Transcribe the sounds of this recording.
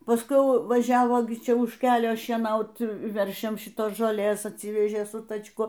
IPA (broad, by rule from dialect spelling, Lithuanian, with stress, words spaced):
pɐsˈkʊɪ ˈjɛʊ ʋɐˈʒʲæːʋoː ɡʲɪ ˈt͡ʃʲɛ ʊʃ ˈkʲæːlʲoː ʃʲiɛˈnɐʊt ˈʋʲɛrʲʃʲɛms ʃʲɪˈtoːs ʒoːˈlʲeːs ɐtʲˈsʲiːʋʲɛʒʲeː sʊ tɐt͡ʃˈkʊ